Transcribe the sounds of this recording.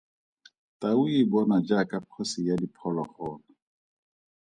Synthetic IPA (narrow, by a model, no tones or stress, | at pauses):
taʊibɔnad͡ʒakapʰɔsɪjadipʰɔlaχɔːna